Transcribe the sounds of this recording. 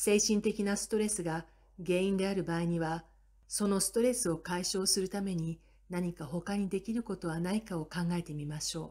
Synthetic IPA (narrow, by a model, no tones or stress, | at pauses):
se̞ːɕĩnt̪e̞kʲinasɨ̥t̪o̞ɾe̞sɨɡa | ɡe̞ːĩnd̪e̞aɾɯ̟baːiɲ̟iβa | so̞no̞sɨ̥t̪o̞ɾe̞sɨo̞kaiɕo̞ːsɨɾɯ̟t̪ame̞ɲ̟i | naɲ̟ikaɦo̞kaɲ̟id̪e̞kʲiɾɯ̟ko̞t̪o̞βanaikao̞kãŋɡae̞t̪e̞mʲimaɕo̞ː